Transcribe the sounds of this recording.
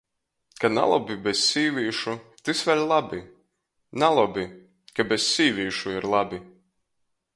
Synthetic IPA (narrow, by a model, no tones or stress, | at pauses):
kana̰lˠɔbʲibʲesːʲiːvʲiːʃut̪ʲɨsvʲɛlʲlˠabʲi | nalˠɔbʲi | kabessʲiːvʲiːʃuiɾlˠabʲi